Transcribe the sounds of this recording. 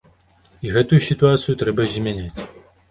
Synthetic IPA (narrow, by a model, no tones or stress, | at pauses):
iɣɛt̪ujusʲit̪uat̪sɨjut̪ɾɛbɐzʲmʲanʲat͡sʲ